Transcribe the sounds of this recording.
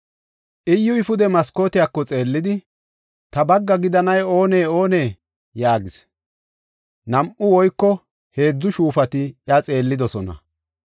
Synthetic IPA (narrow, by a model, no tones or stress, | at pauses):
ʔɪjːʊɪfʊd̪ɛmɐsko̞ːt̪ɪjakːɔt͡sʼe̞ːlːɪd̪ɪ | t̪ɐbɐɡːɐɡɪd̪ɐnɐjo̞ːne̞ːo̞ːne̞ː | jaːɡɪs | nɐmʔʊwɔjkːɔ | he̞ːd͡zːʊʃuːfɐt̪ɪjɐt͡sʼe̞ːlːɪd̪ɔsɔnɐ̰